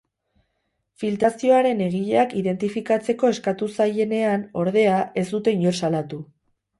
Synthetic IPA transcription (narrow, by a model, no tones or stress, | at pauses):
filt̪ɾasio̞aɾe̞ne̞ɣ̞iʎeakiðe̞nt̪ifikat͡se̞ko̞e̞skat̪usaje̞ne̞ano̞ɾð̞e̞aʔe̞zd̪ut̪e̞iɲo̞ɾsalat̪u